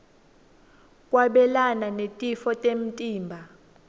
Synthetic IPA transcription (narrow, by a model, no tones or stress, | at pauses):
kʼwaɓɛlananetʼifɔtʼem̩tʼiːmbʱa